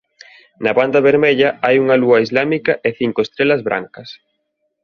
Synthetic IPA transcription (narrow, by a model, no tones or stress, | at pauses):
nɐβand̪ɐβeɾmeʎɐajuŋɐluɐizlamikɐʔeθiŋkoest̪ɾelɐzβɾʔa̰ŋkɐs